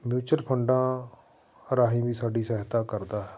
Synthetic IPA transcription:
mjuːt͡ʃəɾpʰəɳɖãː | əɾaːɦĩːʋiːsaːɖiːsəɦɪt̪aːkəɾd̪aːɦɛː

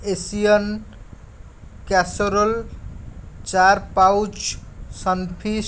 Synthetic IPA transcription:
esijən | kasoɾəl | t͡ʃaɾpawt͡ʃsənpʰi

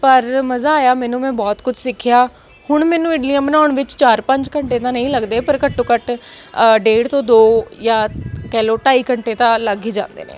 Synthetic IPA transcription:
pəɾməzaːaːjaːmɛːnũːmɛ̃ːbɔːt̪kʊd͡ʒʰsɪkʰjaː | hʊɳmɛːnũːɪɖlijãːbənaːʊɳʋɪt͡ʃt͡ʃaːɾpəɲd͡ʒkəɳʈeːt̪ãːnəĩːləɡd̪eːpəɾkəʈːõːkəʈ | ɖeːɽt̪õːd̪oːjaːkɛːloːʈaːiːkəɳʈeːt̪ãːləɡiːd͡ʒã̰ːnd̪ḛːnḛː

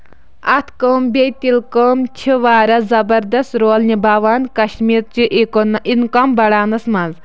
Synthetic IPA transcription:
ɐt̪ʰkəːmbʲejt̪ilkəːmt͡ʃʰiʋaːɾɐzɐbɐɾd̪ɐst̪ɾoːlnʲibaːʋaːnkɐʃmiːɾt͡ʃiʔikonʔinkɐmbɐɽaːnɐsmɐz

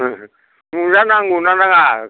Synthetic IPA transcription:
ŋunanaŋunanaŋa

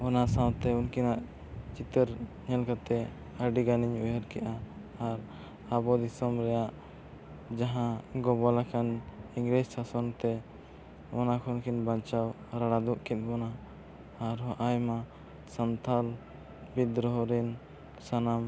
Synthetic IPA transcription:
ɔnasãwt̪ɛunkʰinaʔ | t͡ʃit̪əɾ | ɲɛlkat̪ɛ | aɖiɡaniɲujɛɾkɛʔaː | ɾ | abɔd̪isɔmɾɛjaʔ | d͡ʒaɦãɡɔbɔlakʰaniŋɡɾɛd͡ʒsasɔnt̪ɛ | ɔnakʰɔnkʰinbaɲt͡ʃaw | ɾaɽad̪uʔkɛt̪̚ˀbɔnaː | ɾɦɔʔajma | sant̪ʰal | bid̪ɾɔɦɔɾɛn | sanam

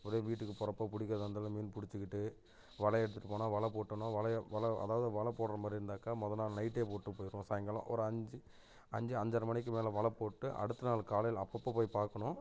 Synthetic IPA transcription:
ɐɾeːʋiːʈːɯkːɯpɔɾɐpːaːpʊɽɪkːɯɾɐðɐnd̪aːlɐmiːnpʊɽɪt͡ʃːɯkɪʈːɯ | ʋɐɭɐɛɽɯt̪ːɯʈːɯpːoːnaːʋɐɭɐpoːʈːɐnʊ̃ʋɐɭɐʋɐɭɐɐ̰ðaːʋɐðɯʋɐɭɐpːoːɽɐɾɐmaːd̪ɾɪɾɯnd̪aːkɐmɔðɐnaːlnɐɪʈːeːpoːʈːɯpoːjɪɾʊ̃saːjɐŋɡɐɭɐ̰̃ːʔɔ̰ɾɯɐɲd͡ʒɯ | ɐɲd͡ʒɯɐɲd͡ʒɐɾɐmɐnɪk̬ːɯmeːlɐʋɐɭɐpːoːʈːɯʔɐ̰ɽɯt̪ːɐnaːlkaːlɐjɪlɐpːɐpːɐpoːjpaːɾkɐɳʊ̃

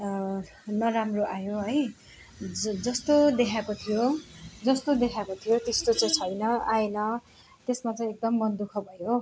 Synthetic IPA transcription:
nʌɾamroʔajoɦʌj | d͡zʌst̪od̪ekʰakot̪ʰijod͡zʌst̪od̪ekʰakot̪ʰijot̪est̪ot͡sʌt͡sʰʌjnʌaenʌ | t̪esmat͡sʌ̃j̃ek̚d̪ʌmːʌnd̪ukʰʌbʱʌjo

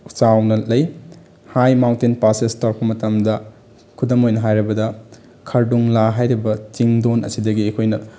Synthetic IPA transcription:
t͡ʃawnɐlɐj | hajmawntinpasestawɾpɐmɐtɐmdɐ | kʰudɐmojnɐɦajɾɐbɐdɐ | kʰɐɾduŋlaɦajɾibɐt͡ʃiŋdonɐ̰sidɐɡiɐkʰojnɐ

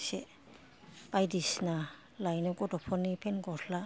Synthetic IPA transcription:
se | b̥ajdisna | lajnɔkɔdɔpʰɔnipʰenɡɔtʰla

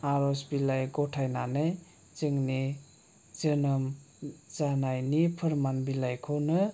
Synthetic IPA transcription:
aɾɔsbilajɡɔtʰajnanaj | zɯŋni | d͡ʒənəm | zanajnipʰəɾmanbilajkʰownɯ

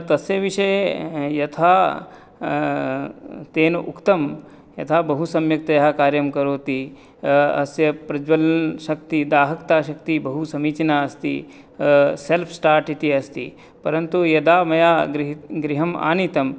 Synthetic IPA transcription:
t̪ɐsjeʋiʃɐjjɐt̪ʰaː | t̪eːnʔṵkt̪ɐm | jɐ̰t̪ʰaːbɐɦusɐmjɐk̚t̪ɐjɐɦɐkaːɾjɐmkɐɾoːt̪i | ɐ̰sjɐpɾɐd͡ʒʋɐlnʃɐk̚t̪id̪aːɦɐkt̪aːʃɐkt̪ibɐɦusɐmiːt͡ʃnaːɐst̪ḭ | selpʰsʈaːɾʈit̪iɐst̪ḭ | pɐɾɐnt̪ujɐd̪aːmɐjaːɡɾiɦɡɾiɦɐma̰ːnit̪ɐm

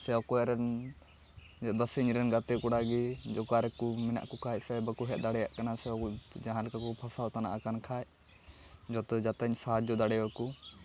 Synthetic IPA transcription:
sɛɔkɔɛɾɛn | bəsiɲɾɛnɡat̪ɛkɔɽaɡid͡ʒɔkaɾɛkumɛna̰ʔkɔkʰasɛbakuɦɛt̪̚d̪aɽɛja̰ʔkanasɛkɔd͡ʒaɦaɾkakɔpʰasat̪ana̰ʔakankʰat͡ʃ | d͡ʒɔt̪ɔd͡ʒat̪aɲsad͡ʒd͡ʒɔd̪aɽɛwaku

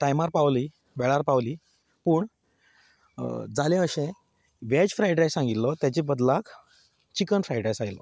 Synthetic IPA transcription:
t̪ajmaɾpawli | ʋɛɭaɾpawli | puːɳ | d͡zalẽəɕẽ | ʋad͡ʑfɾajʈajsãŋɡit̪lɔt̪jat͡ɕebəd̪lak | t͡ɕikənfɾajʈajsajlɔ̰

